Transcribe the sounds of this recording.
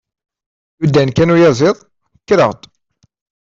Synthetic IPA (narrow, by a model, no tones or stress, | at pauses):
jud̪ːænkænujæzˤɪðˤ | kːɾəʁt̪